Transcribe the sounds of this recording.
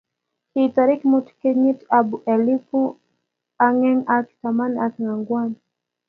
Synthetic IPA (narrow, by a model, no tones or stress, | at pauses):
hitaɾikimutu̥kiɲitabuʔɛlipu | aŋɛŋaki̥tamaniasaŋaŋɡwan